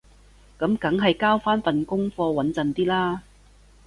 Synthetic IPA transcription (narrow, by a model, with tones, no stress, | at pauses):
kɐ˨˥mkɐ˨˥ŋɦɐ˨jkaː˥wfaː˥nfɐ˨nkʊ˥ŋfɔː˧wɐ˨˥nt͡sɐ˨nt̪iː˥laː˥